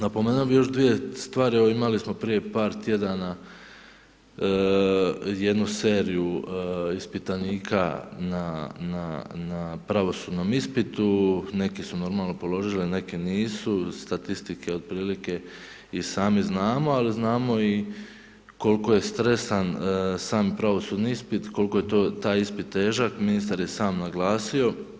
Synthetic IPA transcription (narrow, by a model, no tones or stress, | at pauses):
napomeːnuobijo̞ʃd̪ʋije̞st̪ʋaːɾieʋo̞imalismo̞pɾije̞paːɾt̪je̞d̪ana | je̞d̪nuse̞ːɾijuispit̪aniːkʰa̰nananapɾaʋo̞suːd̪no̞mispit̪une̞kisuno̞ɾmaːlˠno̞po̞lo̞ʒiline̞keniːsust̪at̪ist̪ikʰe̞o̞d̪̚pɾiːlike̞ | isaːmiznaːmo̞aliznaːmo̞i | ko̞lko̞je̞st̪ɾe̞st̪ansaːmpɾaʋo̞suːd̪niispit̪ko̞lko̞jet̪oːt̪aːjispit̪ːe̞ːʒakminist̪aɾje̞saːmnaɡlaːsio̞